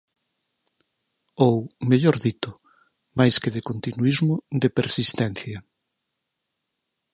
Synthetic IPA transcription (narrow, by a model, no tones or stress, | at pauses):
owmeʎoɾðit̪ʊ | majskeðɪkont̪inuizmʊd̪epeɾsist̪ɛnθjɐ